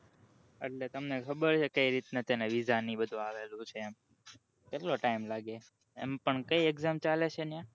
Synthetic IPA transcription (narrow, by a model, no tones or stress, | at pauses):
ə̰ʈlet̪əmnekʰəbəɾt͡ʃʰekəiɾit̪nat̪eneʋizanibəd̪ʱũaʋelũt͡ʃʰeːm | pɛloʈaimlaɡe | ɛ̰mpəɳkəieɡzamt͡ʃalet͡ʃʰenjã